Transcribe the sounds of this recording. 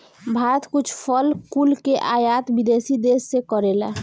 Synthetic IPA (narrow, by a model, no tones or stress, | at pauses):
bʱaːɾət̪kʊt͡ʃʰpʰəlkulkeʔaːjat̪bid̪esid̪esːekəɾela̰